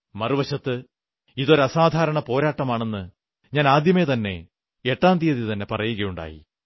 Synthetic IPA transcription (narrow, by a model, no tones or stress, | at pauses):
mɐruʋɐɕɐt̪ːɨ | iðo̞ɾɐsaːd̪ʱaːɾɐɳɐpo̞ːɾaːʈːɐmaːɳe̞nːɨ | ɲaːnaːd̪jɐmeːt̪ɐnːe̞̰ | eʈːaːnd̪ijɐðit̪ɐnːe̞pɐrɐjuɣɐjuɳɖa̰ːjḭ